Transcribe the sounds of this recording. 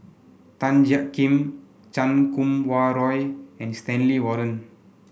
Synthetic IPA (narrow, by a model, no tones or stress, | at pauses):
t̪ãnd͡ʒakːĩm | t͡ʃãnkũmwaɾɔjɛ̃nst̪ɛ̃nliwɔɾə̃n